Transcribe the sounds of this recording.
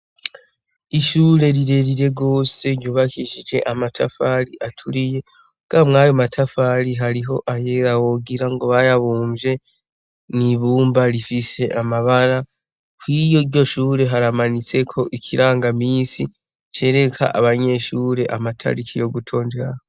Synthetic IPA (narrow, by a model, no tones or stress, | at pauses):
iʃuːɾe̞ɾiɾe̞ɾiɾe̞ɡo̞ːse̞ɾjuːβakʰiʒid͡ʒe̞ʔamatʰafaɾiʔatʰuɾije̞ | ɡ̥amŋaːjomatʰafaɾiɦaɾiɦo̞ʔajeɾawoɡiɾaŋɡo̞βajaβuːmʒe̞ | niβuːmbaɾifise̞ʔamaβaɾa | kwijoiɾɟo̞ʃuːɾe̞ɦaɾamanit͡se̞kʰo̞ʔikʰiɾaːŋɡamiːnsi | t͡ʃe̞ːɾe̞kʰa̰ʔa̰βaɲe̞ʃuːɾe̞ʔamatʰa̰ɾikʰijo̞ɡutʰo̞ːndeɾaho